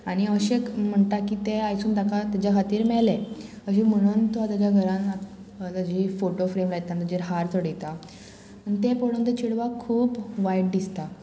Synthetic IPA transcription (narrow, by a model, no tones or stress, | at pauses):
aɽ̃iəɕekm̤əɳt̪akiːt̪eajsuːnd̪akat̪ad͡ʑakʰat̪iːɾmɛɭle | əɕim̤əɽ̃uːnt̪oat̪jad͡ʑjaɡʱəɾãn | t̪ad͡ʑifoʈofɾemlajt̪ant̪ad͡ʑiɾɦaɾt̪oɽet̪a | anit̪epoɽ̤õnt̪et͡ɕiɽʋakʰːuːpʋajʈ̚d̪ist̪a